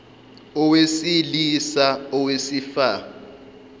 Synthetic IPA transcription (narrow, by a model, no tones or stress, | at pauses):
ɔwesilisaɔwesifa